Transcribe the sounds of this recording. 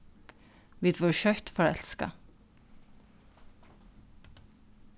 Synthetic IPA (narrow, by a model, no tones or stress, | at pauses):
ʋɪːd̪ʋoːɾʃœt̪fɔːɾɛ̰lskɑ̰